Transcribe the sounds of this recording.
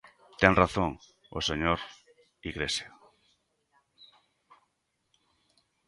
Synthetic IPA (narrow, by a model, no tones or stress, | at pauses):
t̪ɛŋraθoŋ | o̰seɲoɾ | iɣɾesja